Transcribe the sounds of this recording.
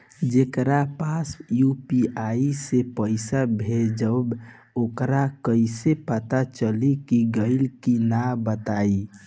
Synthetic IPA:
d͡ʒekɾapasjupiʔaisepəɪsabʱed͡ʒəb | okɾakəɪsepət̪at͡ʃəlikiɡəɪlkinabət̪ai

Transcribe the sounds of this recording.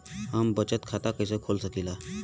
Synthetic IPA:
ɦambət͡ɕət̪kʰat̪akəjsəkʰolsəkila

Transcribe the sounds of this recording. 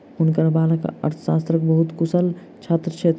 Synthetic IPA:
unkəɾbalakə̰ə̰ɾt̪ʰə̥sast̪ɾəkbəɦut̪kusəl | t͡ʃʰat̪ɾət͡ʃʰet̪

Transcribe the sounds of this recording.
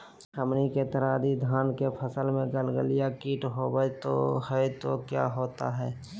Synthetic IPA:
həmniket̪əɾaːd̪id̪ʱaːnkepʰəsəlmẽɡəlɡəlijakiːʈɦobəjt̪o̰həjt̪okja̰ɦoːt̪a̰ɦɛː

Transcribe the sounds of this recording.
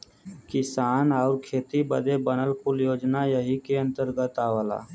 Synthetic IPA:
kɪsaːnɔːɾkʰeːt̪ibəd̪ebənəlkʊljoːd͡ʒnajəɦikeə̃nt̪əɾɡət̪aːʋəla̰ː

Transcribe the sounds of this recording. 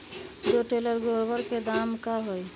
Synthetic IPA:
d̪oʈeləɾɡoɾbəɾked̪amkaɦoj

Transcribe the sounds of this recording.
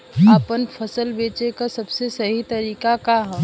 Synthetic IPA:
aːpənfʰɐsəlbeːt͡ʃekasɐbsesɐɦit̪ɐɾiːkakaɦɛ

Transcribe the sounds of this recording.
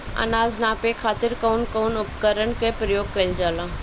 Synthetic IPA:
ɐ̰naːznaːpekʰaːt̪ɪɾkoːnkoːnʊpkəɾəɳkepɾəjoːɡ̚kɐld͡ʒaːlaː

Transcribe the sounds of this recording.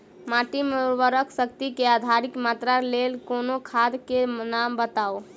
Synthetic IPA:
maʈimeuɾʋəɾəkʰsək̚t̪ikead̪ʱaɾikmat̪ɾalelkonokʰad̪kenambət̪ao

